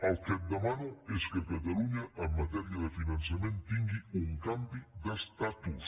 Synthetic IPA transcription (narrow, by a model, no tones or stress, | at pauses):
alkɛd̪ːamaːnʊeskakːat̪aluɲaʔːmːat̪ɛɾjad̪afinant̪sjamɛnt̪t̪iŋɡiuŋkampid̪ast̪at̪u